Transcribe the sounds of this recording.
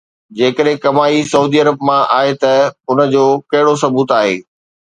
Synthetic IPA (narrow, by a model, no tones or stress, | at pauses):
d͡ʑeːkəɗɦɪ̃kɐmaːisɐuːd̪iːɐɾəbmãʔaːɦet̪ɐʊnə̆d͡ʑoːkɐɦɪɽosɐbuːt̪aːɦḛː